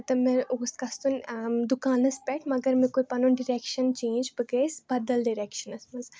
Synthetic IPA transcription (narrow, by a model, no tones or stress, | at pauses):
t̪ɐmeɾoːskɐst̪unʲd̪ukaːnɐspʲɛʈʰmɐɡɐɾmẽkojpɐnunɖiɾekʃɐnt͡ʃẽːnd͡ʒbɨɡeːsbɐd̪ɐlɖiɾekʃɐnɐsmɐz